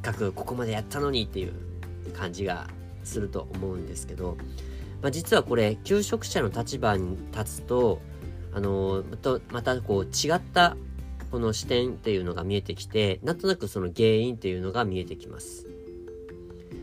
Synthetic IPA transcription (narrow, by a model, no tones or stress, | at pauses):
kːakɯ̟ko̞̥ko̞mad̪e̞jat̪ːano̞ɲ̟it̪ːe̞jɯ̟̰ | kʰãɲ̟d͡ʑiɡa̰ | sɨɾɯ̟t̪o̞̰ʔomo̞ɯ̟̃nd̪e̞sɨ̥ke̞d̪o̞ | mad͡ʑit͡sɨβako̞ɾe̞kʲɨːɕo̞kɯ̟̥ɕano̞t̪at͡ɕibaɲ̟it̪at͡sɨ̥t̪o̞ | a̰no̞mt̪omat̪ako̞ːt͡ɕiɡat̪ːako̞no̞ɕi̥t̪ẽ̞nt̪e̞jɯ̟no̞ɡa̰mʲie̞t̪e̞kʲi̥t̪e̞nãnt̪o̞nakɯ̟so̞no̞ɡe̞ːĩnt̪e̞jɯ̟no̞ɡamʲie̞t̪e̞kʲima̰sɨ̥